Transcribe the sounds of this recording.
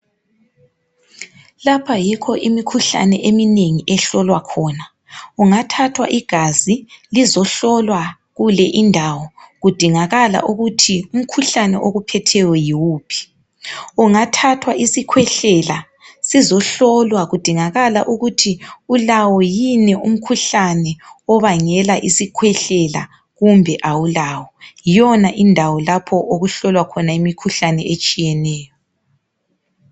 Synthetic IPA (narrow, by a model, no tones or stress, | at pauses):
lapʰajikʰɔʔimikʰuɬa̰nɛʔemineŋiʔɛɬɔlwakʰɔːna | uŋatʰatʰwa̰ʔiɡ̥ʱazilizɔɬɔlwa | ɣulɛʔindʱawɔɣud̥ʱiŋaɣala̰ʔuɣutʰium̩kʰuɬanɛʔoɣupʰɛtʰɛwɔjiwuːpʰi̥ | uŋatʰatʰwaʔisikʰwɛɬɛla | sizɔɬɔlwaɣud̥ʱiŋaɣala̰ʔuɣutʰiulawɔjinɛum̩kʰuɬanɛɔβaŋɛlaʔisikʰwɛɬɛla̰ | ɣumbʱɛʔawulawɔjɔnaʔindʱawɔlapʰɔʔoɣuɬɔlwakʰɔnaimikʰuɬanɛet͡ʃʼijɛnɛːjɔ